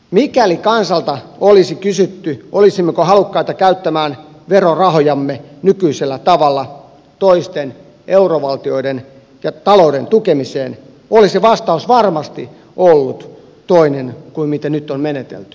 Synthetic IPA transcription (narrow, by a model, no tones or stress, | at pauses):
mikælikɑnsɑlt̪ɑolisikysyt̪ːyʔolisimːekohɑlukːɑit̪ɑkæyt̪ːæmæːn | ʋerorɑhojɑmːenykyiselːæt̪ɑʋɑlːɑ | t̪oist̪en | ʔeuroʋɑlt̪ioiden | jɑt̪ɑloudent̪ukemiseːn | oliseʋɑst̪ɑusʋɑrmɑst̪i | ʔolːut̪ | t̪oinenkuimmit̪ænyt̪ːˑonmenet̪ḛlt̪y̥